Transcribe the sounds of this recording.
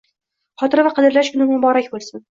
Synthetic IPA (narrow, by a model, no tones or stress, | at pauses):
χɒt̪ʰɪɾvaqʰɨd̪ɪɾlaʃkʰʊnɪmʊbɒɾakʲbolˠsɪn